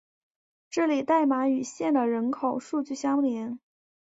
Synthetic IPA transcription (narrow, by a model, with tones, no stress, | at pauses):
ʈ͡ʂ̩˥˩li˨˩t̪a˥˩ɪma˧˥y˨˩ɕjɛ˥˩nd̪ə˩ɻə˧˥nkʰo˨˩ʊʂu˥˧t͡ɕy˥˩ɕjɑ˥ŋljɛ˧˥n